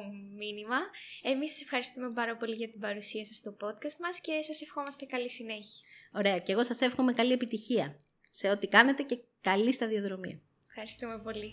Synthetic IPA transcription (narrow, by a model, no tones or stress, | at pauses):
minimɐemisɐ̥se̞fxɐɾist̪ume̞bɐɾɐpo̞liʝɐt̪ibɐɾusiɐsɐst̪opo̞t̪kɐst̪mɐsce̞sɐse̞fxo̞mɐst̪ekɐlisine̞çiɐo̞ɾe̞ɐce̞ɣo̞sɐse̞fxo̞me̞kɐlie̞pit̪içiɐ | se̞o̞t̪ikɐne̞t̪e̞ce̞ | kɐlist̪ɐðio̞ðɾo̞mḭɐ̰ | fxɐɾist̪ume̞po̞li